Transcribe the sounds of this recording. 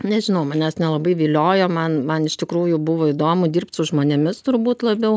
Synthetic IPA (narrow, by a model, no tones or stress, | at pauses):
nʲɛʒʲɪnɐʊmɐnʲɛsnʲɛlˠɐbɐɪʋʲiːlʲoːjoːmɐnmɐnɪʃt̪ʲɪkɾuːjʊbʊʋoːɪd̪oːmʊdʲiːrp̚t̪sʊʒmoːnʲɛmʲɪst̪ʊrbuːt̪lˠɐbʲɛʊ